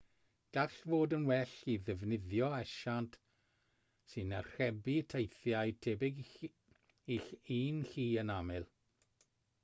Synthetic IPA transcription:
d̥aɬvoːdənwɛɬiðɛvnɪðjɔɛʃantʰ | sɨnarr̥ɛbiətʰejθjajtʰɛbɪɡ | iɬiːnɬiːənamɪlˠ

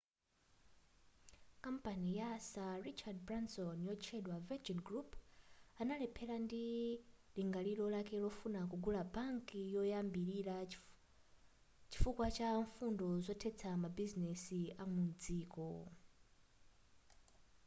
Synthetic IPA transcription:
kampanijasarit͡ʃad̚bɾansɔnjɔt͡ʃʰɛɗwavɛd͡ʒɔnɡɾupʰanalɛpʰɛlandi | liŋɡaliɾɔlakɛlɔfunak̬uɡulabaŋkijɔjambiɾiɾa | t͡ʃi̥fukwat͡ʃaɱfundɔzɔtʰɛt͡sʰamabizinɛsiamund͡ziːkɔ

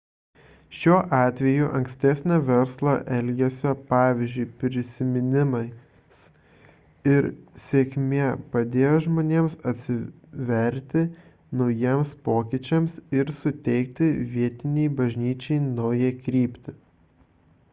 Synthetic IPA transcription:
ʃʲuːʔɑːt̪ʲʋʲɛjuʔɐŋksʲt̪ʲɛsʲnʲɛʋʲɛɾslˠɐʔɛlʲɡʲɛsʲopɑːʋʲizʲd͡ʒʲʊɪpʲɾʲɪsʲɪmʲɪnʲɪmɐɪ | s | ɪɾsʲeːkʲmʲeɛpɐd̪ʲeːjoʒmoːnʲeːmsɐt̪ʲsʲɪ | ʋʲɛɾʲt̪ʲɪ | nɒʊjiɛmspoːkʲɪt͡ʃʲɛmsɪɾsʊt̪ʲɛɪk̚t̪ʲɪʋʲiɛt̪ʲɪnʲɛɪbɐʒʲnʲiːt͡ʃʲɛɪnɐʊjɛkɾʲiːpʲt̪ʲɪ

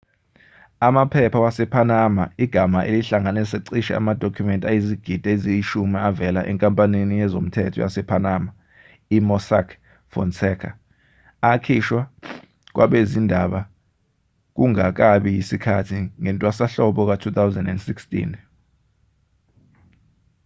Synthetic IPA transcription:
amapʰɛpʰawasɛpʰanamaiɡ̥ʱamaʔeliɬaŋanɛsaǀiʃɛ̰a̰mad̥ʱokʰumɛntʼajiziɡ̥ʱid̥ʱaezijiʃumiavɛlaʔɛ̰ŋkʼampʼaninijɛzom̩tʰɛ̰tʰɔ̰ja̰sɛpʰanama | imɔsakʰ | fɔ̰nsɛkʰa̰ː | kʰiʃwa | k̬waɓezindʱaɓa | k̬uŋak̬aɓijisikʰatʰiŋɛntʼwasaɬɔɓɔk̬atʰut̪ʰawzɛndɛndsikstʼḭn

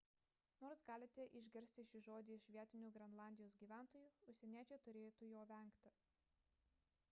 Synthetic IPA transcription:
noːɾsɡɑːlʲɪt̪ʲɛʔɪʒʲɡʲɛɾʲsʲt̪ʲɪʃʲɪʒoːd̪ʲɪɪʃʲʋʲiɛt̪ʲɪnʲuːɡɾʲɛnlˠɑˑnʲd̪ʲɪjoːsɡʲiːʋʲæˑnˑt̪oːjuːʊʃʲsʲɛnʲiɛt͡ʃʲɛɪt̪ʊɾʲeːjt̪uːjoːʋʲɛˑŋkt̪ʲɪ

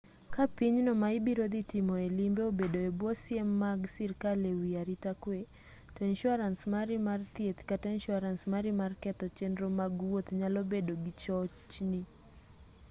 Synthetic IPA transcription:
kapiɲnɔmaibiɾod̪itimɔɛlimbɛobedoɛbɔsiemːaɡsiɾkalewiaɾitakwe | tɔinʃuaɾansmaɾimart̪iet̪katanʃuaɾansmaɾimarkɛt̪ɔt͡ʃɛndɾomaɡwot̪ɲalobedoɡit͡ʃɔt͡ʃni

